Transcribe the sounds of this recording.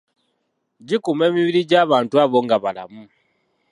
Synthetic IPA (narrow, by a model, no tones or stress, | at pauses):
ɟikume̞ːmiβiɾiɟaːβaːntuaβoŋɡaβala̰mu